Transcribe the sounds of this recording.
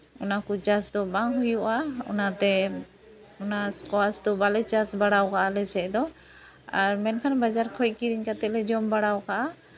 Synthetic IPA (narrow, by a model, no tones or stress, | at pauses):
ɔnakut͡ʃasd̪ɔbaŋɦujuʔaɔ̰nat̪ɛ | ɔnaskɔasd̪ɔbalɛt͡ʃasbaɽawkaʔalɛsɛʔd̪ɔ | aɾmɛnkʰanbad͡ʒaɾkʰɔj̚kiɾiɲkat̪ɛʔ̪̚lɛd͡ʒɔmbaɽawkaʔa